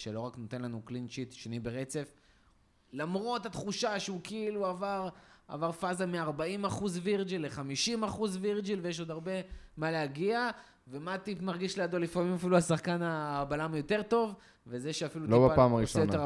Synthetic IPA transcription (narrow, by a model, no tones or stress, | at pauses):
ʃelo̞ʁakno̞t̪e̞nlanuklinʃit̪ʃenibeʁe̞t͡se̞f | lamʁo̞tat̪χuʃaʃeukeiluavaʁa̰vaʁfazamiaʁbaimaχuzviʁd͡ʒilːeχamiʃimaχuzviʁd͡ʒilvejeʃo̞d̪aʁbe̞maleaɡia | ve̞mat̪ipmaʁɡiʃlead̪olifamimafiluasaχkanaːbalamjo̞te̞ʁto̞v | vezeʃeafiluloibeapaːmaʁiʃojoe